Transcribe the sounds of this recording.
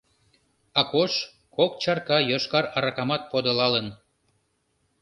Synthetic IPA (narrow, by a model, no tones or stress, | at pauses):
ɑkoʃ | kok̚t͡ɕɑrkɑjoʃkɑɾɑɾɑkɑmɑt̪̚pod̪əlɑlən